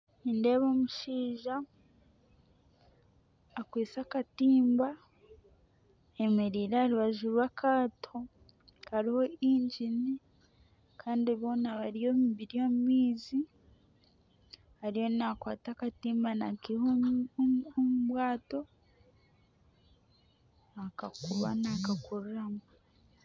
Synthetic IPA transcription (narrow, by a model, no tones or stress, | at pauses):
inde̞βomuʃiːʒa | kwiːsakatiːmba | emeɾiːɾeaɾiβaʒuɾwakʰaːtʰo | haɾihoiɲɟini | kʰaːndiβo̞ːnaβaɾijo̞miβiɾijomumiːzi | haɾijonakwaːtakatiːmbanakiho | omuβwaːto̞ | akakuβa̰nakakuɾuɾama